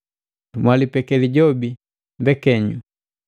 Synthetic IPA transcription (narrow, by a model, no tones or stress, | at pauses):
mwalipɛkɛliɟɔbi | mbɛkɛɲṵ